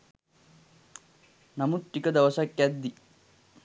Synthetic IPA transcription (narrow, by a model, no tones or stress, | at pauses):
nɐmuʈːikɐd̪ɐʋɐsɐkːad̪ːi